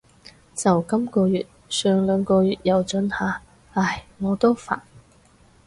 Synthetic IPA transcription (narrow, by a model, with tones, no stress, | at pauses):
t͡sɐ˨˩wkɐ˥mkɔː˧jyː˨t̚sœː˨ŋlœː˨˧ŋkɔː˧jyː˨t̚jɐ˨wt͡ʃɵ˨˥nhaː˨˧ | aː˨˩jŋɔː˨˧t̪o˥wfa̰ː˨˩n